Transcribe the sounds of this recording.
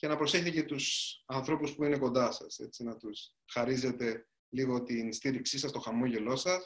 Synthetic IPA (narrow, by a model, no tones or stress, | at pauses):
ce̞nɐpɾo̞se̞çtθecet̪usɐnθɾo̞puspuine̞ko̞nd̪ɐsɐ̰se̞̰t͡sinɐt̪us | xɐɾize̞t̪e̞ | liɣo̞t̪inst̪iɾiksisɐst̪o̞xɐmo̞ʝe̞lo̞sɐs